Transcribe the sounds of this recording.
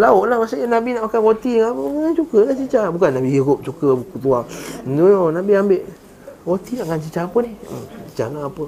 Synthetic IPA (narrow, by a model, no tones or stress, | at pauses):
laoʔlahmasajanabinaʔmakaɣot̪iŋapəŋant͡ʃukəlat͡ʃit͡ʃabukanːabiiɡop̚t͡ʃukəbukut̪uaduonabiambeʔ | ɣot̪inaʔŋant͡ʃit͡ʃaapəniht͡ʃi̥t͡ʃa̰naːpə